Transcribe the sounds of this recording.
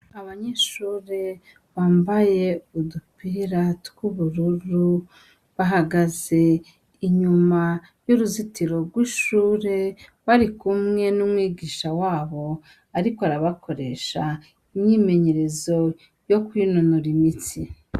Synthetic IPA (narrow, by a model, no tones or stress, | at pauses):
aβaɲeʃuːɾe̞ | βaːmbaje̞udupiɾatkuβuɾuɾu | βaɦaɡaze̞ | iɲuma | juɾuzitiɾo̞ɡwiʃuːɾe̞βaɾikumŋe̞numŋiːɡiːʃawaːβo̞ | aɾikoaɾaβako̞ɾe̞ʃa | iɲɲime̞ɲe̞ɾe̞zo̞ | jo̞kwiːnonoɾimit͡si